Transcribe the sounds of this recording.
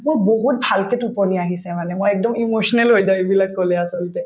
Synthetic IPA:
mojboɦut̚bʱalketupɔniaɦisɛmanɛmojɛk̚dɔmimoʃɔnɛlɦojzaebilakːɔlɛasɔltɛ

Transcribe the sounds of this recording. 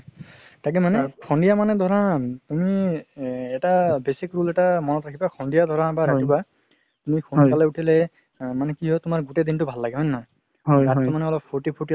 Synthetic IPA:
tak̬ɛmanɛkʰɔndijamanɛd̪ʱɔɹatumi | ɛtabesikɹulɛtamɔnɔtɹakʰibakʰɔndijad̪ʱɔɹãbaɹatiba | tumikʰonkalɛutʰilɛ | manɛkiɦɔtʊmaɹɡuted̪intʊbʱalːaɡɛɦɔjnːɔ | ɦattɔmanɛɔlɔp̚pʰɔɹʈipʰuʈi

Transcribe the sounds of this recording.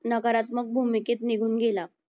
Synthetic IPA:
nəkaɾat̪məɡ̚bʱumiket̪niɡʱuːnɡela

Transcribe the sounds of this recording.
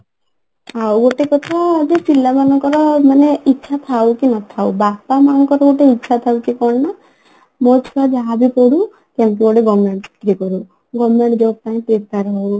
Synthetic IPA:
awɡoʈekɔt̪ʰad͡ʒesilːamanɔŋkɔɾɔmaneitːt͡ʃʰat̪ʰawkinɔt̪ʰawbapamanɔŋkɔɾɔɡoʈeitːt͡ʃʰat̪ʰawkikɔɽna | mɔt͡ʃʰkad͡ʒabipɔɽu | kãmkiɔɽeɡɔmeɳt̪ɾikɔɾu | ɡɔmeʈd͡ʒɔp̚t̪aĩt̪eɾt̪aɾɔɦau

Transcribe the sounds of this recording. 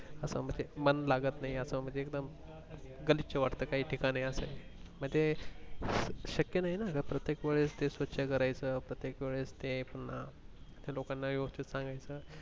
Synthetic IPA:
əsə̰ːm̤əɳd͡zemənlaɡət̪naɦiəsəːm̤əɳd͡zeːkd̪əm | ɡəlit̪̚t͡ɕeʋaʈt̪əːkaɦiːʈʰikaɽ̃iəsḛm̤əɳd͡ze | ɕəkjənaɦinakəpɾət̪jekʋeɭest̪esʋət̪ːɕʰakəɾajt͡səːpɾət̪jekʋeɭest̪epunat̪elokanːajoɡt͡ɕit̪sãŋɡajt͡səː

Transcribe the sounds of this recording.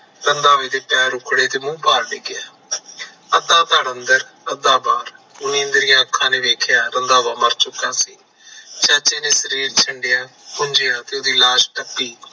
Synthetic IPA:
ɾənd̪aːʋeːd̪eːpɛːɾʊkʰɽeːt̪eːmũːbaːɾɖɪɡɪjaː | əd̪aːt̪aːɽənd̪əɾəd̪aːbaːɾ | ʊnĩːənd̪əɾijãːkʰːãːneːʋeːkʰjaːɾənd̪aːʋaːməɾt͡ʃʊkːãːsiː | t͡ʃɛːt͡ʃeːneːsəɾiːɾt͡ʃʰəɳɖɪjaː | pʊɲd͡ʒejaːt̪eːoːd̪iːlaːʃʈəpːiː

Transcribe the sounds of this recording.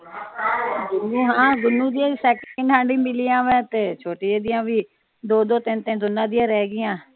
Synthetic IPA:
oːɦãːɡʊnːũːd̪ɪjãːsɛːkəɳɖɦãːɳɖiːmɪlijãːʋɛ̃ːt̪eːt͡ʃʰoːʈiːed̪ɪjãːʋiː | d̪oːd̪oːt̪ɪnt̪ẽːd̪ʊnːãːd̪ɪjãːɾɛːɡɪjãː

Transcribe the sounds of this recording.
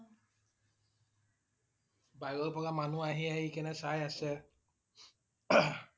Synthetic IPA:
bajɡɔlpɔkamanuaɦiaikɛnɛsajasɛ

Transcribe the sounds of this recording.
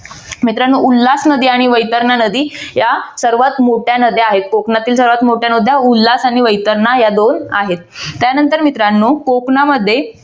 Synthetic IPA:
mit̪ɾanːuːʔulːasnəd̪iːaɽ̃iʋəjt̪əɾɳanəd̪iːjasəɾʋat̪moʈjanəd̪ʱeaɦet̪̚koknat̪iːlsəɾʋat̪moʈʰjanod̪ʱjaulːasaɽ̃iʋəjt̪əɾnajad̪onaɦet̪ːjanənt̪əɾmit̪ɾanːuːkoknaməd̪ʱːje

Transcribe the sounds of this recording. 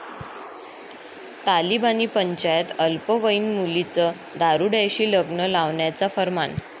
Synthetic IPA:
t̪alibaniːpəɲt͡ɕajət̪əlpəʋəinmulit͡sə | d̪aɾuɽajɕiːləɡnəlaʋɳjat͡safəɾma̰n

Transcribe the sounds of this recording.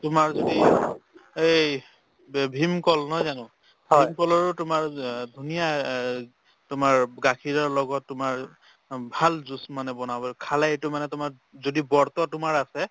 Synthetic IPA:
tʊmaɹzodi | e | bʱimkɔlnɔjzanʊ̃ | bʱmkɔlɔɹʊtʊmaɹdʱunija | tʊmaɹɡakʰiɹɔɹlɔɡɔtːʊmaɹ | bʱalzusmanɛbɔnabɔkʰalaetʊmanɛtʊmaɹ | zodibɔɹt̪ɔtʊmaɹasɛ

